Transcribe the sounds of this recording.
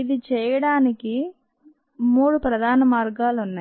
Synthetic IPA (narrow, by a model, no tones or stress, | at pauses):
id̪it͡ʃɛːjɐɽaːniki | muːɽupɾɐd̪ʱaːnɐmaːɾɡaːlunːa